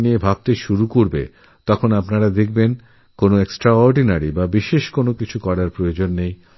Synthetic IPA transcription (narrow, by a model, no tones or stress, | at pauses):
niebʱab̚t̪eʃuɾukoɾbḛ | t̪ɔkʰonapnaɾad̪ek̚ʰben | konoeksʈɾaɔɾɖinaɾibabiʃeʃkonokit͡ɕʰukɔɽaɾpɾojod͡ʑonːej